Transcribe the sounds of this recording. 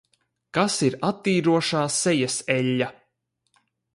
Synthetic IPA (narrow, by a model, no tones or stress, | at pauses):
kasiɾat̪ːiːɾuɔʃaːsɛjasɛʎʲːa